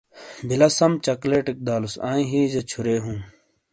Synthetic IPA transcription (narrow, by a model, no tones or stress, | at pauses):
bilɐsɐmt͡ɕɐkleːʈik̚d̪aːlusa̰ːĩɦĩːzet͡ɕʰuɾeːɦũː